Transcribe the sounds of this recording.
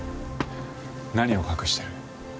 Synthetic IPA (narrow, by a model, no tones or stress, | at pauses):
naɲio̞kakɯ̟ɕi̥t̪eɾɯ̟